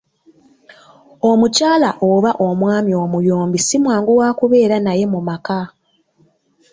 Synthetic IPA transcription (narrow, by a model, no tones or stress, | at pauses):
o̞mucaːlaʔoβaʔo̞mwaːmjo̞mujoːmbisimwaːŋɡuwaːkuβe̞ːɾanaje̞mumaka